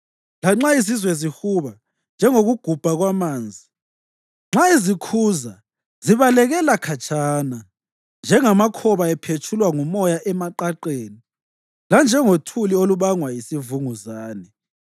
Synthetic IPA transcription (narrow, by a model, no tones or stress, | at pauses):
laŋ͡ǁaisizwɛzihuβa | nd͡ʒʱɛŋoɣuɡ̥ʱub̥ʱaɣwamaːnd͡zʱi | ŋ͡ǁaizikʰuza | ziβalɛɣɛlakʰat͡ʃʰʼaːna | nd͡ʒʱɛŋamakʰɔβaɛpʰet͡ʃʰulwaŋumɔjaʔɛmaǃaǃeːni | land͡ʒʱɛŋotʰulioluβaŋwajisivuŋuzaːnɛ